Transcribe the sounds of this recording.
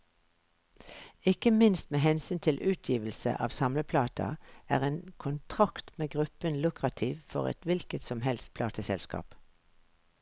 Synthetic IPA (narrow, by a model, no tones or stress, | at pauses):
ɪkəmɪnst̪meːɦɛnsyːnt̪ʰɪlʔʉːt̪ʰjiːʋəlsə̰ʔɑːʋsɑmləpʰlɑːt̪ʰɑ̰æ̰ːʁeːnkʰʊnt̪ʰʁɑkt̪meːɡʁʉpənlʉkʁɑt̪ʰiːʋfɔ̰ʁɛ̰t̪ʋɪlkət̪sɔmhɛlst̪̚pʰlɑːt̪əsɛlskɑ̰ːp